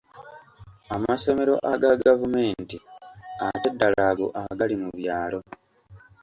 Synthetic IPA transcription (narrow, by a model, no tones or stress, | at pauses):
amaso̞meɾo̞̰ʔaɡaɡavume̞ːntiatedːalaɡo̞̰ʔaɡalimuβjaːlo̞